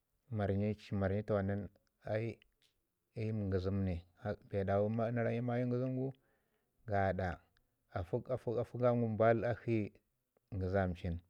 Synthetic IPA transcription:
ma˨ɾɲi˦t͡ʃi˦ma˨ɾɲi˦ta˨wa˨na˦n | a˦i˦ | i˦m˨ŋɡə˨zi˦mni˨a˨be˨da˨wu˦ma˦na˦ɾa˦ji˦ma˦ji˦ŋɡi˦zu˦mɡu˦ | ɡa˨ɗa˨ | a˨fu˦ka˨fu˦ka˨fu˦ɡa˦ŋɡu˦m˨ba˦la˦hi˦ | ŋɡi˨za˦˨m˨t͡ʃi˦n

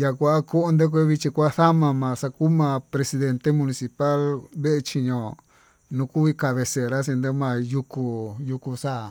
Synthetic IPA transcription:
ja˧kʷa˧˦ko˦o˧˦nd̪e˦k̬ʷe˧˦βi˧t͡ʃi˧kʷa˦θa˦mã˧mã˨sa˧ku˦mã˧˨pɾe˧si˧ðe˧nt̪e˦mũ˧nĩ˧si˧pa˦lβe˦ʔe˧t͡ʃi˧ɲõ˧ | nũ˧ku˦βi˧ka˧βe˧se˨ɾa˦s̬i˧nd̪e˧˦mã˧ju˧ku˧ju˧ku˧sa˦˨

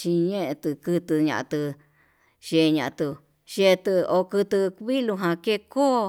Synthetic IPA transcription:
ʃĩ˧ɲẽ˦ʔẽ˧t̪ɨ˧kɨ˧t̪ɨ˧ɲã̰˨ã˧t̪ɨ˧ | ʃe˧ɲã˨ʔã˧t̪u˧ | ʃe˧t̪ɨ˧o˧kɨ˧t̪ɨ˧kβi˦lu˧ɦã˧ke˦ko˦

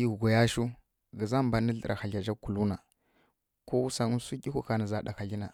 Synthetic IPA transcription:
i˦˨ɡo˨ja˦ʃu˦ | ɡə˨za˦m˨ba˨nə˦ɮə˨ɾʔa˨xa˨ɮa˨d͡ʒa˦ku˨lu˦na˨ | ko˦wu˦sa˦ŋu˦su˦kʲi˦ku˦ka˨na˨za˨ɗa̰˨xa˨ɮi˦na˨

